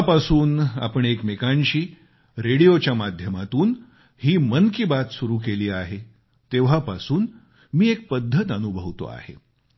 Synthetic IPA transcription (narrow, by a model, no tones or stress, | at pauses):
japasuːna̰pəɳekmekaɲɕiː | ɾeɽijot͡ɕjamad̪ʱjəmat̪uːn | hiːmənkibat̪suɾuːkeliːaɦe | t̪eʋ̤apa̰suːn | miːek̚pəd̪ʱːət̪ənubʱəʋt̪o̰a̰hḛ